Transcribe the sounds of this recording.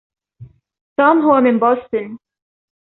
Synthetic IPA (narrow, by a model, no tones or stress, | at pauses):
t̪uːmɦʊwamɪnboːst̪ɪn